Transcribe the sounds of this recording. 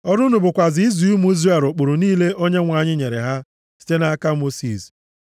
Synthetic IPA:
ɔ˦ɾu˦nu˨bʊ˨kʷa˨zɪ˨˦i˦zu˨u˦mu˦i˦zre˦˨lʊ˨k͡pʊ˨ɾʊ˨niː˦le˦ʔo˦ɲe˦ŋʷa˨ɲɪ˦ɲe˨ɾḛ˨ɦa˦ | si̥˦te˦na˦a˦ka˦mo˦sḭ˨s

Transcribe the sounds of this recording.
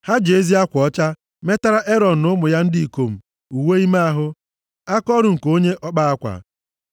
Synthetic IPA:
ha˦d͡ʒe˨e˦zi˦a˦kʷɔ˦t͡ʃa˦ | me˦ta˦ɾa˦ʔe˦ɾɔ˨n̩˨nʊ˦mʊ˨ja˦n̩˦dɪ˦i˨ko˨m̩˨ | u˨we˦i˦ma˦a˦ɦʊ˦ | a˦kɔ˦ɾʊ˨ŋ̩˨ko˦ɲe˦ʔɔ˦k͡pa˦a˦kʷa̰˨

